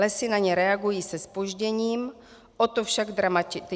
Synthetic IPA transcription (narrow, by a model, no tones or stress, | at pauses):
ɛsɪnaɲɛɾɛaɡujiːsɛspoʒɟɛɲiːm | ʔot̪ofʃaɡd̪ɾamatɪt̪ɪ